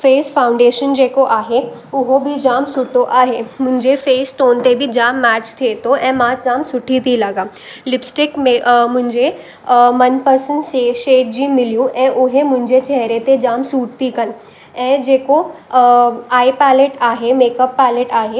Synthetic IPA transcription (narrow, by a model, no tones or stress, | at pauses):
feːsfãːʊ̃ɳɖeːʃənd͡ʑeːkoʔaːɦeʊɦobɪd͡ʑaːmsʊʈʰoʔaːɦemʊ̃ɦɪ̃ɲd͡ʑefeːsʈoːnt̪ebid͡ʑaːmːɛːt͡ɕt̪ʰiet̪ʰoʔɛ̃ːmãd͡ʑaːmsʊʈʰit̪ʰilɐɡaː | lɪpsʈɪkmẽmʊ̃ɦɪ̃ɲd͡ʑe | mɐnpɐɾsənseːʃeːʈ̚d͡ʑiːmɪlijũʔɛ̃ːʔʊɦemʊ̃ɦɪ̃ɲd͡ʑet͡ɕɛɦɾet̪ed͡ʑaːmsuːʈ̚t̪ikɐn̆ | ɛ̃ːd͡ʑeːko | aːipɛːleʈaːɦemeːkəpːaːleʈaːɦe